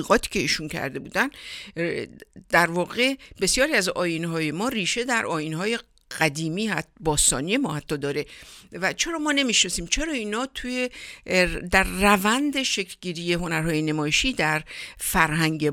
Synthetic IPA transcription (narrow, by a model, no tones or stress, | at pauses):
iːɣɒːt̪ʰi̥ːcʰe̞iːʃuncʰæ̰ɾd̪e̞bṵːd̪æn | d̪̥æɾvɒːɣe̞be̞sjɒːɾiæzɒːjinɦɒːje̞mɒːriːʃe̞d̪æɾʔɒːjinhɒːje̞ | ɢ̥æd̪iːmiːhæt̪bɒːst̪ɒ̰ːnije̞mɒːhæt̪ʰːɒːd̪ɒːɾe̞væt͡ʃʰe̞ɾɒːmɒːne̞miʃnɒsiːmt͡ʃʰe̞ɾɒːiːnɒːt̪ʰuːje | d̪æɾːævænd̪e̞ʃekʰlɟiːɾiːje̞ɦo̞næɾɦɒːje̞nemɒːjeʃiːd̪æɾfæɾɦæŋɡe